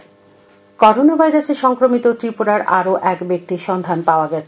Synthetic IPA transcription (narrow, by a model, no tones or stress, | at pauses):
kɔɾonabʱajɾaseɾʃɔŋkɾomit̪ot̪ɾipuɾaɾʔaɾoʔɛkbek̚t̪iʃɔnd̪ʱanpaoaɡɛt͡ɕʰe